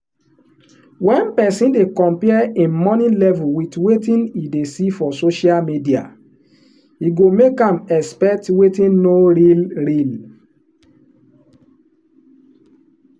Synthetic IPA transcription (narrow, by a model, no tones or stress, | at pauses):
wɛ̃npɛsĩndekɔ̃mpɛɛẽmɔnĩlɛvuwitwetĩnidesifɔsoʃialmidia̰ | iɡomekãmɛspɛk̚twetĩnnoɹilɹil